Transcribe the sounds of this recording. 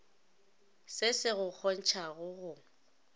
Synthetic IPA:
sɪsɪɣʊk͡xʰɔn̩t͡ʃʰaɣʊɣʊ

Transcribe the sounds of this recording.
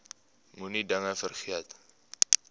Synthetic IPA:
munidaŋafərxiat̪ḁ

